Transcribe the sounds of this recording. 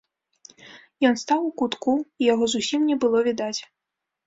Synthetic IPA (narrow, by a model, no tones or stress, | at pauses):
jɔnst̪awukut̪kuijaɣɔzusʲimnʲɛbɨlˠɔvʲid̪at͡sʲ